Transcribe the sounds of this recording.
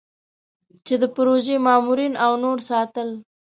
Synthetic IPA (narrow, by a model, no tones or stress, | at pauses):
t͡ʃed̪əpʊɾoʒemɑmuɾinawnoɾsɑt̪əl